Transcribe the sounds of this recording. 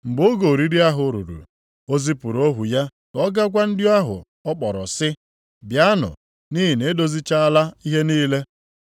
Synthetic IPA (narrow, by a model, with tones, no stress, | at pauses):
ŋ͡m̩˨ɡ͡bo˦ɡo˨ɾi˦ɾi˦a˦ɦʊ˨ɾṵ˨ɾṵ˨ | o˦zi˦pu˨ɾo˦ɦu˨ja˦ | kɔ˦ɡa˦ɡʷa˦n̩˦dɪ˦a˦ɦʊ̰˨ | ɔ˦k͡pɔ˨ɾɔ̰˨sɪ˦ | bja˦nʊ̰˨ | ni˦ɦi˨ne˦do˦zi˦t͡ʃa˦a˦la˦i˦ɦe˦niː˦le˦